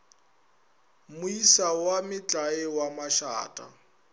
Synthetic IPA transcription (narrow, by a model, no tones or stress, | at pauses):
mʊisawamɪt͡ɬʼaɪwamaʃa̰ːtʼa̰